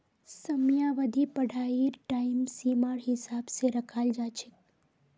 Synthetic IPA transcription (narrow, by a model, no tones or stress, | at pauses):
səmjaʋəd̪ʱipəɽʱaiɾʈaimsimaɾɦɪsabseɾəkʰald͡ʒat͡ʃʰek